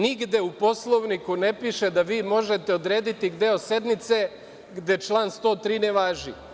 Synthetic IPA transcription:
niɡd̪e̞upo̞slˠo̞ʋnikune̞piʃe̞d̪aʋiːmo̞ʒe̞t̪eod̪ɾe̞ːd̪it̪iɡd̪eose̞d̪mit̪se̞ | ɡd̪e̞t͡ʃlˠaːnst̪o̞ːt̪ɾiːneʋaːʒḭ

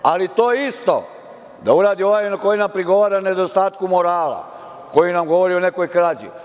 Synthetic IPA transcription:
alit̪oːist̪o̞̰ | d̪auɾaːd̪io̞ʋaːjnako̞jinampɾiɡo̞ʋaːɾane̞d̪o̞st̪aːt̪kumo̞ɾaːla̰ | ko̞jinamɡo̞ʋo̞ɾione̞ko̞jkɾaːd͡ʑḭ

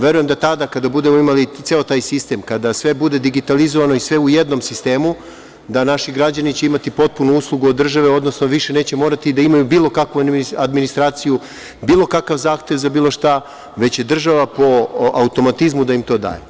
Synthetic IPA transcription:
ʋe̞ɾuje̞md̪at̪ad̪akad̪abud̪e̞moimalit̪seot̪aːjsist̪e̞mkad̪asʋe̞bud̪e̞d̪iɡit̪alizoʋano̞isʋe̞uje̞d̪no̞msist̪e̞ːmu | d̪anaʃiɡɾad͡ʑanit͡ɕe̞imat̪ipo̞t̪̚punuuslˠuɡuod̪ːr̩ʒaʋeo̞d̪no̞snoʋiʃe̞ne̞ːt͡ɕe̞mo̞ɾat̪id̪aimajubiːlˠo̞kakʋuad̪minist̪ɾaːt̪siju | biːlˠo̞kakaʋzaːxt̪e̞ʋzabiːlˠo̞ʃt̪a | ʋe̞t͡ɕje̞d̪r̩ʒaʋapo̞aut̪o̞mat̪izmud̪aimt̪o̞ːd̪a̰ːje

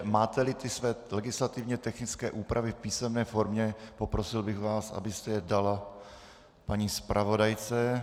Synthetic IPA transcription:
maːt̪ɛlɪt̪ɪsvɛːlɛɡɪslat̪ɪvɲɛt̪ɛxnɪt͡skɛ̰ːʔuːpɾʔavɪfpiːsɛmnɛːfo̞ɾmɲɛpopɾosɪlbɪɣvaːsʔa̰bɪst̪ɛjɛdala | paɲiːspɾʔavo̞dajt͡sɛ

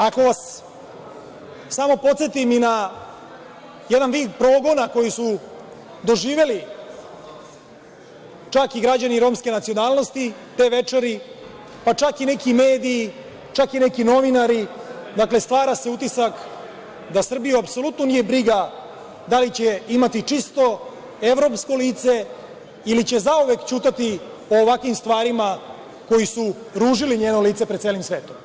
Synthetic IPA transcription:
ako̞ʋas | samo̞po̞t̪se̞t̪imina | jed̪anʋiːd̪̚pɾo̞ːɡo̞nako̞jisu | d̪o̞ʒiːʋe̞li | t͡ʃakiɡɾad͡ʑaniɾo̞ːmske̞nat̪sionaːlˠno̞st̪it̪e̞ːʋet͡ʂeɾi | pat͡ʂakinekimeːd̪iː | t͡ʃakinekino̞ʋinaɾid̪akle̞st̪ʋaːɾase̞ut̪isak | d̪asr̩bijuapso̞lut̪no̞nije̞bɾiɡa | d̪alit͡ɕe̞imat̪it͡ʂist̪o̞ | e̞ʋɾo̞ːpsko̞liːt̪se̞ | ilit͡ɕe̞zauʋe̞kt͡ɕuːt̪at̪i | oːʋakʋimst̪ʋaːɾima | ko̞jisu | ɾuːʒiliɲeːno̞liːt̪se̞pɾed̪selimsʋe̞ːt̪o̞m

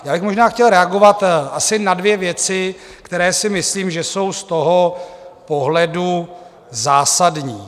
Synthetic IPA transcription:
jaːbɪxmoʒnaːxcɛlɾɛaɡo̞vat̪ʔasɪnadvjɛvjɛt͡sɪ | kt̪ɛɾɛːsɪmɪsliːmʒɛso̞wst̪o̞ɦopo̞ɦlɛdu | zaːsadɲiː

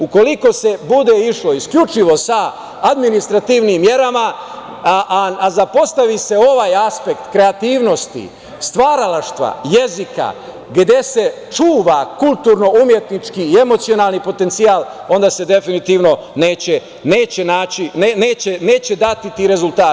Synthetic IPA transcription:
uko̞liko̞se̞bud̪e̞iʃlo̞iskʎut͡ʃiʋo̞saː | d̪minist̪ɾat̪iːʋnimːje̞ɾama | azapo̞st̪aʋise̞o̞ʋaːjaspe̞kt̪kɾe̞at̪iːʋno̞st̪ḭ | st̪ʋaːɾalaʃt̪ʋa̰je̞zika̰ | ɡd̪e̞se̞ | t͡ʃuːʋakulˠt̪uɾno̞umjet̪nit͡ʃkiːe̞mo̞t̪sio̞naːlˠnipo̞t̪e̞nt̪siaːlˠo̞nd̪aːse̞d̪e̞finit̪iːʋno̞ne̞ːt͡ɕe | ne̞ːt͡ɕenaːt͡ɕinene̞ːt͡ɕene̞ːt͡ɕe̞d̪at̪it̪iːɾe̞zult̪aː

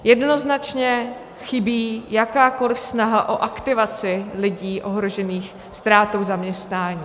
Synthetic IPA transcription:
jɛdno̞znat͡ʃɲɛ | xɪbiːjakaːko̞lɪfsnaɦaʔo̞ʔakt̪ɪvat͡sɪlɪɟiːʔo̞ɦɾo̞ʒɛniːx | st̪ɾaːt̪owzamɲɛst̪naːɲiː

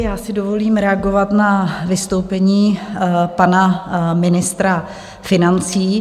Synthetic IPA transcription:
jaːsɪdo̞vo̞liːmɾɛaɡo̞vat̪navɪst̪o̞wpɛɲiːpanamɪnɪst̪ɾa | fɪnant͡siː

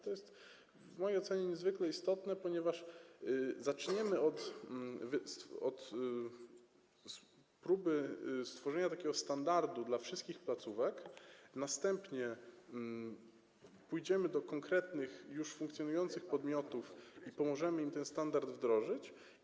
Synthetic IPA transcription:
t̪ɔjɛst̪ | vmɔjejɔt̪sɛɲɛɲɛzvɘklɛist̪ɔt̪nɛpɔɲɛvaʂ | zat͡ʂɲɛmɘɔt̪vst̪ɔt̪ | pɾubɘst̪fɔʐɛɲat̪akʲɛɡɔst̪and̪aɾd̪ud̪lafʂɘst̪̚kʲixplat̪suvɛknast̪ɛmpɲɛ | pujd͡ʑɛmɘd̪ɔkɔŋkɾɛt̪nɘxjuʂfuŋkt̪sjɔnujɔnt̪sɘxpɔd̪mʲjɔt̪ufipɔmɔʐɛmɘimt̪ɛnst̪and̪aɾd̪vd̪ɾɔʐɘt͡ɕ

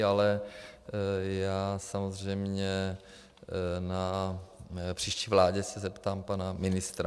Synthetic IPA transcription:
alɛ | jaːsamozr̝ɛjmɲɛ | na | pr̝̥iːʃciːvlaːɟɛsɛzɛpt̪aːmpanamɪnɪst̪ɾa

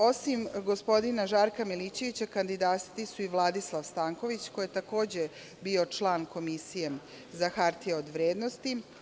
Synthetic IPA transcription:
o̞simɡo̞spo̞d̪inaʒaːɾkamilit͡ɕe̞ʋit͡ɕakand̪id̪ast̪isuiʋlˠad̪islˠaʋst̪aːŋko̞ʋit͡ɕko̞jet̪ako̞ːd͡ʑe | bio̞t͡ʃlˠaːnko̞misije̞ | zaxaɾt̪ijeod̪ʋɾeːd̪no̞st̪i

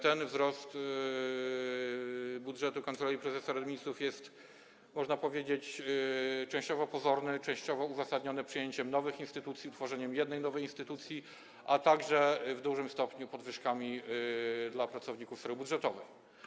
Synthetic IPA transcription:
t̪ɛnvzɾɔst̪ | budʐɛt̪ukant̪ɛɛlʲipɾɛzɛsɔɾad̪mʲisufjɛst̪ | mɔʐnapɔvʲjed͡ʑet͡ɕ | t͡ʂɛ̃w̃ɕt͡ɕɔvɔpɔzɔɾnɘt͡ʂɛ̃w̃ɕt͡ɕɔvɔuzasad̪ɲɔnɛpʂɘjeɲt͡ɕɛmnɔvɘxinst̪ɘt̪ut̪sʲjiut̪fɔʐɛɲɛmjɛd̪nɛjnɔvɛjinst̪ɘt̪ut̪sʲji | at̪aɡʐɛvd̪uʐɘmst̪ɔpɲupɔd̪vɘʂkamʲi | d̪lapɾat̪sɔvɲikufsɾɛbudʐɛt̪ɔvɛj

